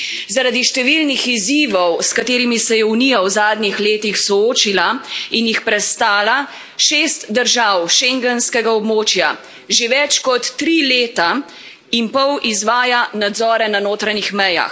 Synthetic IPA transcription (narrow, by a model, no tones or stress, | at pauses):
zaɾad̪iʃt̪ɛʋilnixiziːʋɔwskat̪eːɾimisɛjɛunijawzaːd̪nixleːt̪ixsɔoːt͡ʃilainjixpɾɛst̪aːla | ʃeːst̪d̪əɾʒawʃɛŋɡɛnskɛɡaɔbmoːt͡ʃja | ʒeʋɛt͡ʃkɔt̪ːɾileːt̪a | impɔwʔizʋaːjanad̪zɔːɾɛnanoːt̪ɾanixmɛja̰x